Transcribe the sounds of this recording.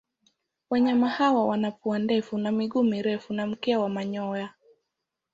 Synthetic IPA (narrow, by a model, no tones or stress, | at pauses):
waɲamahawawanapuandɛfunamiɠumiɾɛfunam̩kɛawamaɲɔja